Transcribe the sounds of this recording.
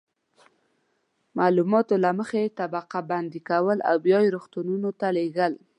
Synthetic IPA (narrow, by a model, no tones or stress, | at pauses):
mɑlumɑt̪olaməxet̪abaqaband̪ikawəla̰wbjɑjɾoxt̪ununot̪aleɡəl